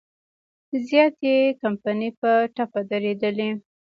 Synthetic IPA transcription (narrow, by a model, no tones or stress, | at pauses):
d̪əzjɑt̪ekampanipəʈapad̪aɾed̪əle